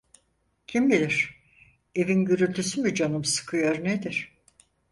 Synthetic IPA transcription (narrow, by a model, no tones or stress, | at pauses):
cʰimbilʲiɾ̥ | e̞vinɟyɾylt̪ʰysymyd͡ʒanɯmsɯ̥kʰɯjoɾned̪iɾ̥